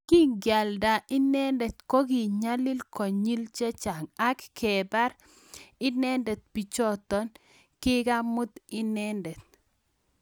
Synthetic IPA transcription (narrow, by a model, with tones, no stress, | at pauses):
ki˦ŋɡja˨lda˨ʔɪ˦nɛ˦ndɛ˨t̪̚ko˦ɡi˨ɲa˦lɪ˦lkɔ˨ɲi˦lt͡ʃe˦t͡ʃa˨ŋa˦kkʰɛ˨ba˦ɾ | ɪ˦nɛ˦ndɛ˨t̪̚pi˨t͡ʃɔ˦t̪ɔ˦n | kɪ˦ɡa˦mʊ˦t̪ɪ˦nɛ˦ndɛ˨t̪̚